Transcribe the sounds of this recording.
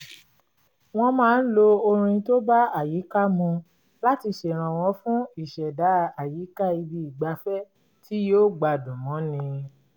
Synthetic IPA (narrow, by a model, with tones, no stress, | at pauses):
w̃ɔ̃˧mãː˦n̩˦lo˧o˧ɾ̃ĩ˧to˦ba˦a˦˨ji˨˦ka˦mũ˧ | la˦ti˧ʃe˨ɾ̃ã˨w̃ɔ̃˧˦fũ˦i˦˨ʃɛ˨da˨˦˨a˨ji˨˦ka˦i˧bi˧i˨ɡ͡ba˧fɛ˦ | tʰi˦joː˦˨ɡ͡ba˧˨dũ˨mɔ̃˨˦nĩ˧